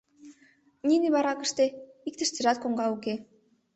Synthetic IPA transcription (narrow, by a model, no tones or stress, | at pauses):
niniβɑɾɑkə̆ʃt̪eik̚t̪ə̆ʃt̪ĕʒɑt̪̚koŋɡɑuke